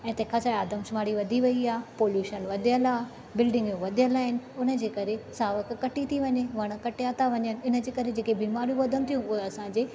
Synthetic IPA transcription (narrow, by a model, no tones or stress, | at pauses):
ɛ̃ːt̪ɐ̃kʰɐsaaːd̪ʱəmsʊmaːɽiʋɐd̪ʱiʋɐiaːpoːljuːʃənʋɐd̪ʱijəlaː | bɪlɖɪ̃ŋɡjũʋɐd̪ʱijəlaːɦɪnɪ̆ʊnə̆d͡ʑeːkɐɾesaːʋəkkɐʈit̪ʰiʋɐɲeʋɐɽ̃ə̆kɐʈjaːt̪ʰaʋɐɲənɪ̆ɪnə̆d͡ʑeːkɐɾed͡ʑeːkebiːmaːɾijũʋɐd̪ʱənɪ̆t̪ʰijũʊɦeɐsãɲd͡ʑeː